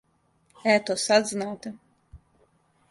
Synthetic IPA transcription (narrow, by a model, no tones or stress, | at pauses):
æːt̪ɔsad̪znaːt̪a